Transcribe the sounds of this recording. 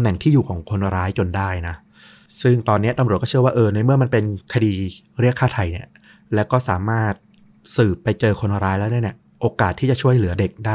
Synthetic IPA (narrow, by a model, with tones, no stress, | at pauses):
mnɛ˨˩ŋt̪ʰiː˥˩juː˨˩kʰɔː˩˦ŋkʰo˧nɾaː˦˥jt͡ɕo˧ndaː˥˩jna˦˥ | sɯ˥˩ŋt̪ɔː˧nːi˦˥ɐt̪a˧mɾu˨˩kɔ˥t͡ɕʰɯ˥˩ɐwaː˥˩ʔɤː˧na˧jmɯ˥˩ɐma˧npe˧nkʰa˧diː˧ | ɾi˥˩əkʰːaː˥˩t̪ʰa˨˩jni˦˥˩ɐ | lɛː˦˥wkɔː˥˩saː˩˦maː˥˩t̪̚ | sɯː˨˩pːa˧jt͡ɕɤː˧kʰo˧n˧ɾaː˦˥jlɛː˦˥wni˥˩ni˦˩ɐ | ʔoː˧kaː˨˩t̪ʰːiː˥˩t͡ɕa˨˩t͡ɕʰu˥˩əjlɯ˩˦ɐde˨˩k̚daː˥˩